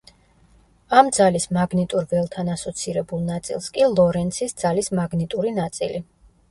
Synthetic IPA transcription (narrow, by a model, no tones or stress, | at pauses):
amd̪zalismaɡnit̪ʼuɾvɛlˠt̪ʰanasɔt̪sʰiɾɛbulˠnat̪sʼḭlˠskʼilˠɔɾɛnt̪sʰisd̪z̥alismaɡnit̪ʼuɾinat̪sʼili